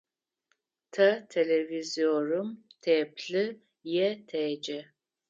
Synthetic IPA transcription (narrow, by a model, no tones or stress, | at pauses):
tʰɐtʰeleviziorɨmtʰeːpɬɨ | jɛtʰeːd͡ʒɛ